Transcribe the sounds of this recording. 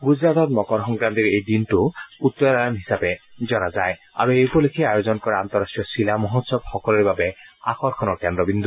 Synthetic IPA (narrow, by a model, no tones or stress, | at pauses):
ɡuzɹat̪ɔt̚mɔkɔɹxɔŋɡɹant̪iɹejdintʊut̪ːɔɹaanɦisapɛzɔnazaj | a̰ɹuejpɔlekʰiajozɔnkɔɹɛant̪ɔɹasʈɹijɔsilamɔɦɔt̪sɔbxɔkɔlɔɹbabɛa̰xɔɹkʰɔnɔɹkɛndɹɔbind̪ʱu